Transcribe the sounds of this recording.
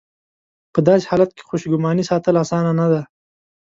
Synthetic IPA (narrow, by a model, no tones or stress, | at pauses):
pəd̪ɑse̥hɑlat̪̚ke̥xoʃɡʊmɑnisɑt̪əlasɑːnanad̪a